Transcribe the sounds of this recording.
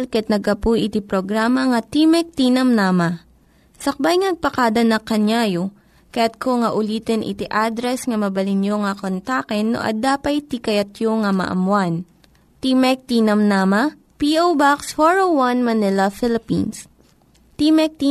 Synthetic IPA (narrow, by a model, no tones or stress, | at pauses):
lkɐat̪̚nɐɡ̚ɐpujʔɪt̪ipɾoɡɾaːmɐŋɐt̪imɛk̚t̪inɐmnaːmɐ | sɐk̚bajŋnɐɡ̚pɐkad̪ɐnɐkɐɲaːjo | kɐjat̪̚kʰoŋɐʔʊliːt̪ɛnʔɪ̰t̪iʔad̪ɾɛsŋɐmɐbɐlɪnjoŋɐkont̪akɛnːo̰ʔɐ̰d̪aːpɐjt̪ikɐjɐt̪joŋɐmɐ̰ʔɐ̰mwan | t̪imɛk̚t̪iːnɐmnamɐ | piʔowbakshoɹowɐnmɐnɛlɐfɪlɪpḭns | t̪imɛk̚t̪i